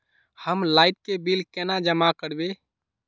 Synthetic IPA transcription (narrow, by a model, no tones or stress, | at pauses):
həmlajʈ̚kebilkenad͡ʒəmakəɽbe